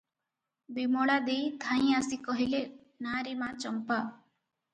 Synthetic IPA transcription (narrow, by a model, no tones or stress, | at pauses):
bimoɭad̪ejt̪ʰãj̃asikɔɦile | naɾimat͡ʃɔmpa